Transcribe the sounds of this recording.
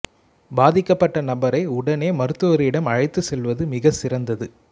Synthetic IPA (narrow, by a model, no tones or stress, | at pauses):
baːðɪkːɐpːɐʈːɐnɐbɐɾɐɪʊɽɐneːmɐɾɯt̪ːɯɔɾɪɽɐmɐɻɐɪt̪ːɯsɛlʋɐðɯmɪɣɐsɪɾɐnd̪ɐðɯ